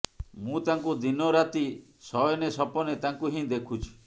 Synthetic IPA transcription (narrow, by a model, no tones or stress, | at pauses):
mũt̪aŋkud̪inɔɾat̪i | sɔjɔnesɔpɔnet̪aŋkuɦĩd̪ekʰut͡ʃʰu̥